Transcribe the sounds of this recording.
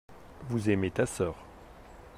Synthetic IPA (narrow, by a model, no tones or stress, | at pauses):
vuzɛmet̪asœːʁ